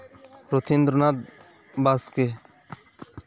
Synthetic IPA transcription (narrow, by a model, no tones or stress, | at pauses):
ɾot̪ʰind̪ɾnad̪̚ | baske